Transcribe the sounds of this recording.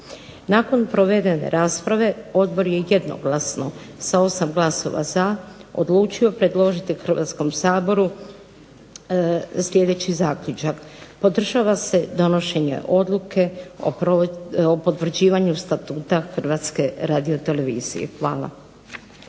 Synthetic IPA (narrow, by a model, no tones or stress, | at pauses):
nako̞npɾo̞ʋe̞d̪e̞ne̞̰ɾaːspɾaʋe̞o̞d̪bo̞ɾje̞je̞d̪no̰ɡlasno | sao̞samɡlaso̞̰ʋa̰zao̰d̪lˠuːt͡ʃiopɾe̞d̪lˠo̞ʒit̪ixr̩ʋa̰t̪sko̞msaːbo̞ɾu | slʲje̞d̪e̞t͡ɕizaːkʎut͡ʃakpo̞d̪r̩ʒaːʋase̞d̪o̞no̞ʃe̞ɲe̞̰ʔo̞d̪lˠukʰe̞o̰poopo̞t̪ʋr̩d͡ʑiːʋaɲust̪at̪uːt̪axr̩ʋat̪ske̞ɾaːd̪io̞t̪e̞le̞ʋiːz̥ḭjḛxʋaːla̰